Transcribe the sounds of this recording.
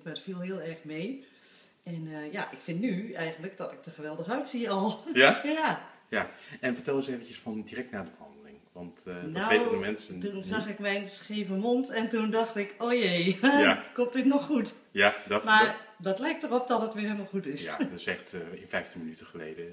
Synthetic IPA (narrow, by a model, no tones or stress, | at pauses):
madəfilˠɦiəlˠɛrxmej | ɛnəjaʔɪkfɪ̃ntnyɛjɣəntləkdɔtɪk̚təχəʋɛlˠdəxœɥtsiɔlˠjajajaɛnfəɹtɛlˠəseːvəncəsfɔndirɛk̚tnaːdəbəhɑ̰ndəlɪŋʋɑntndaʋejnəmɛnsəntunzaxɪkmɛjnsxeːvəmontɛntundɑxtɪkoːjeakomtdɪtnɔxːut | jadɔmadɔtlɛjk̚tɔχɔp̚dɔtətʋɪːɦeːlməlˠxutɪsa̰dɔtɪsɛxtɪnfɛjftəmənytəχəlḛjdə